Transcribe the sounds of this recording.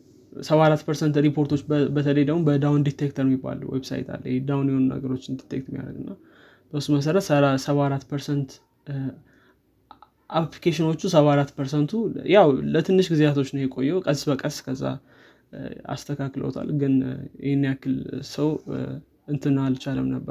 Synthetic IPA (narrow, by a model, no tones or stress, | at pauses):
səβaɾat̪ːpʰəɾsənt̪ɾipʰo̞ɾt̪ʰo̞t͡ʃːbət̪ʰələjd̪əmumbəd̪awnd̪it̪ʰːek̚t̪ʰəɾnjɪbːa̰lṵwebsa̰jt̪ʰa̰lːjhed̪awnjɛhonunə̰ɡəɾo̞t͡ʃːɪnd̪it̪ʰːek̚t̪mija̰ɾə̰ɡɨnːa | b̥əsːuməs̬əɾət̪səsəβaɾat̪ːpʰəɾsənt̪ | ʔaplikʰeʃɪno̞t͡ʃːusəβaaɾat̪ːpʰəɾsənt̪ʰujawlət̪ʰɨnːɨʃɡɨzjat̪ʰo̞t͡ʃːnəjɛkʼo̞jːɛwkʼəsbəkʼəskʰəzːa̰ | a̰st̪ʰəkʰaklə̰wt̪ʰa̰lɡɨnjɛhenːijakːɨlsəw | ɨnt̪ʰɨnalt͡ʃaləmnəbːəɾ